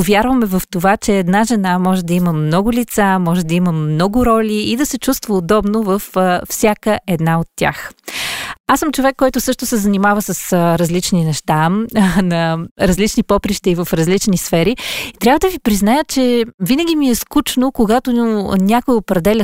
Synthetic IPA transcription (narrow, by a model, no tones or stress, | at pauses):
vʲjaɾvəmɛvəft̪ovat͡ʃɛːd̪naʒɛnamɔʒɛd̪ɐiməmnɔɡʊlʲit̪samɔʒɛd̪ɐiməmnɔɡʊɾɔlʲiːd̪ɐsɛt͡ʃust̪vəod̪ɔbnovəffsʲjakəɛd̪naot̪ːʲja̰x | asəmt͡ʃovɛkːɔjt̪ʊsɤʃt̪ʊsɛzɐnimavəsəsɾɐzlit͡ʃninɛʃt̪anɐɾɐzlit͡ʃnipɔpɾiʃt̪əivɐfɾɐzlit͡ʃnisfɛɾit̪ɾʲavəd̪əvipɾiznajət͡ʃɛvinəɡʲimiɛskut͡ʃnokoɡat̪onʲakʊjiopɾɛd̪ɛlʲə